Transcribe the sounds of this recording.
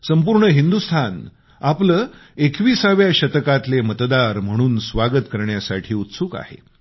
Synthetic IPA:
səmpuɾɳəɦind̪ust̪ʰan | apləːekʋiːsaʋjaɕət̪əkat̪lemət̪d̪aɾm̤əɽ̃uːnsʋaɡət̪kəɾɳjasaʈʰiːut̪suːka̰hḛ

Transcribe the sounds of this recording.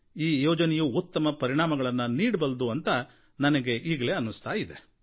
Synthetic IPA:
iːjɔːd͡ʒɐnɛjuut̪ːɐmɐpɐɾiɳaːmɐɡɐɭɐnːɐniːɽbɐld̪uɐnt̪ɐ | nɐnɐɡe̞ʔiːɡɐleːɐnːust̪aːjid̪e

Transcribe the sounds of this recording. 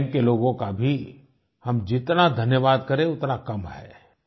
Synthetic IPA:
mkeloːɡõkabʱi | hɐmd͡ʒɪt̪nad̪ʱɐnjəʋaːd̪̚kɐɾẽʊt̪nakɐmɦɛ̰ː

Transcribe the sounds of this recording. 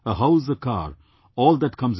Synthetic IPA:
əɦaʊsəka̰ːɾ | ɔːld̪æʈkʰʌ̃mz

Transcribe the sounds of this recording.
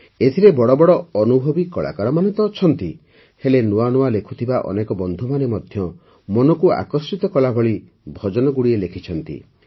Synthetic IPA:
et̪ʰiɾebɔɽɔbɔɽɔɔnubʱɔbikɔɭa̰kaɾɔmanɔt̪ɔt͡ʃʰɔnt̪i | helenuwanuwalekʰut̪ʰibaʔɔ̰nekɔbɔnd̪ʱumanemɔd̪ʱjɔ | mɔnɔkua̰kɔsit̪ɔkɔlabʱɔɭi | bʱɔd͡ʒɔnɔɡuɽielekʰit͡ʃʰɔnt̪ḭ

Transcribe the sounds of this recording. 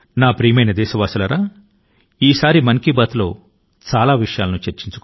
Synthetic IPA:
naːpɾiːjɐmɐjnɐd̪ɛːʃɐʋaːsulɐɾaː | iːsaːɾimɐŋkibaːt̪lo̞̰ː | t͡ʃaːlaːʋiʂɐjaːlɐnut͡ʃeɾt͡ʃiɲt͡ʃu̥k

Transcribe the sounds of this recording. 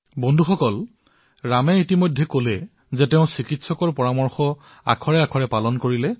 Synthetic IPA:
bɔndʱuxɔkɔl | ɹamɛitimojdʱːɛkolɛ | zɛtɛʊ̃sikitsɔkɔɹpɔɹamɔɹxɔ | a̰kʰɔɹɛakʰɔɹɛpalɔnkoɹilɛ

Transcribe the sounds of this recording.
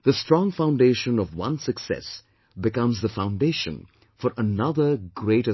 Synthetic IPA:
ðəstɹ̥ɔ̃ŋfãʊ̃nɖeʃə̃nʌvwʌ̰̃nsɨksɛ̰s | bɪkʌ̃mzðəfãʊ̃nɖeɪʃə̰̃n | fəɾʔənʌðə˞ɡɾeɪɾə

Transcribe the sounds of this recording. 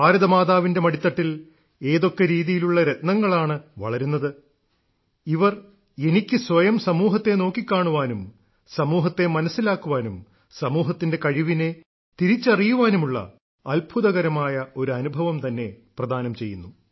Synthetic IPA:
aːɾɐðɐmaːðaːʋinde̞mɐɽit̪ːɐʈːil | e̞ːðo̞kːe̞ɾiːðijiluɭːɐɾet̪nɐŋːɐɭaːɳɨʋɐ̰ɭɐɾunːɐðɨ | iʋɐr | e̞nikʲːɨsʋɐjɐmsɐmuːɦɐt̪ːe̞no̞ːkːikʲːaːɳuʋaːnum | sɐmuːɦɐt̪ːe̞mɐnɐsːilaːkːuʋaːnum | sɐmuːɦɐt̪ːinde̞kɐɻiʋine̞ | t̪iɾit͡ɕːɐrijuʋaːnumuɭːɐ̰ː | lbʱuðɐɣɐɾɐmaːjɐo̞ɾuɐnubʱɐʋɐmt̪ɐnːe̞prɐd̪ʱaːnɐmt͡ɕe̞̰jːunːu

